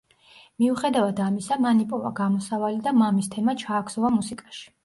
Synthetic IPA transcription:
miuχɛd̪avad̪amisamanipʼɔva̰ɡamɔsavalid̪amamist̪ʰɛmat͡ʃʰaːkʰsɔvamusikʼaʃi̥

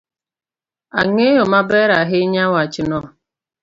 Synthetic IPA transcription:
aŋeɦomabeɾaɦɪɲawat͡ʃɪnɔɦ

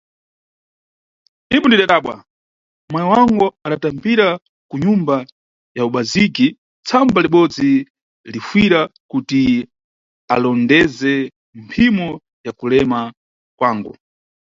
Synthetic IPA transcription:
imɔndiɗaɗaːɓwa̰ | mwajɔwaŋɡuaɗatambiɾa | kuɲumba | jauɓaziki | t͡sʰambaliɓɔd͡zi | lifwiɾakuti | a̰lɔndɛzɛ | mpʰimɔ | jakulɛma | kwaːŋɡṵ

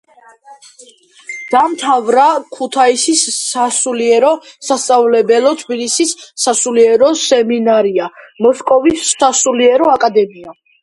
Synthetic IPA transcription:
d̪̥amt̪ʰavɾakʰut̪ʰaisisasuliɛɾɔsast̪sʼavlɛbɛlɔt̪ʰbilisisːasuliɛɾɔsɛminaɾiamɔskʼɔvisːasuliɛɾɔakʼad̪ɛmia

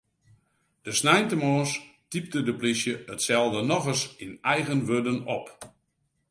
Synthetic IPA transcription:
d̥əsnɛjntəmɔːstip̚dədəplisjəətsɛlˠdənɔɣəsinɛjɣənʋødənɔp

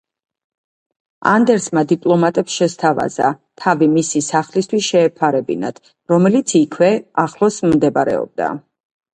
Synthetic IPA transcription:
a̰nd̪ɛɾsmad̪ipʼlˠɔmat̪ʼɛpsʃɛst̪ʰava̰za̰t̪ʰavimisisaχlist̪ʰwisʃɛːpʰaɾɛbḭna̰d̪̥ | ɾɔmɛlit̪sʰikʰwɛaχlˠɔsmd̪ɛbaɾɛ̰ɔ̰b̚d̪a̰

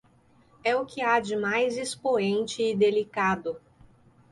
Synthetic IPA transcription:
ɛʊkɪad͡ʒɪmajzɪspoẽnt͡ʃɪːd̪elikad̪ʊ

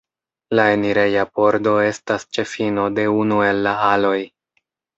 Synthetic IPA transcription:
lae̞niɾe̞japo̞ɾdo̞e̞stast͡ʃe̞fino̞de̞unue̞lːaalo̞j

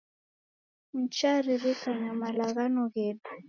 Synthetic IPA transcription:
m̩t͡ʃaɾiɾikaɲamalaɣanɔɣeːdu̥

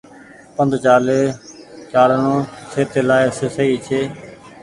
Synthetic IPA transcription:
pənd̪ʱt͡ʃaːleːt͡ʃaːlnõːsʰeːt̪eːlaːɪsesəiːt͡ʃʰeː

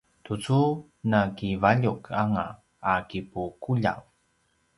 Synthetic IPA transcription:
tut͡su | nakivaʎukʰaŋa̰ː | kipukuʎa̰w

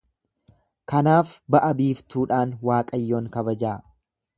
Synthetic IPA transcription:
kɐnaːfbɐʔɐbiːft̪uːᶑaːnwaːkʼɐjːoːŋkɐβɐd͡ʒaː

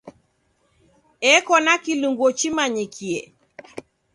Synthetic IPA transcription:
ɛkɔnakiluŋɡwɔt͡ʃimaɲikʰiɛ

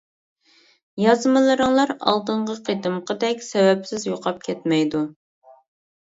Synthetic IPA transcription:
jɑzmɨlˠɨɾɨŋlˠɑɾɑ̰lˠd̪ɨɴʁəqʰed̪ɨmqʰəd̪ɛkʲsɛwɛpsɪzjoqʰɑp̚kʲʰɛt̪mɛjd̪u

